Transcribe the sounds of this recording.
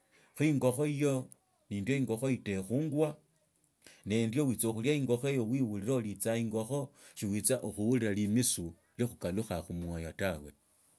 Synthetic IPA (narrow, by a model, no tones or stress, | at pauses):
xiŋɡo̞xo̞ijo̞ | nindjo̞iŋɡo̞xo̞ite̞xuːŋɡwa | ne̞ndjowit͡soxuljaiŋɡo̞xoejo̞wiwuliɾolit͡saiŋɡo̞xo̞ʃiwit͡saʔuxuwuliɾalimisu | lixukaluxaxumwajatawe̞̰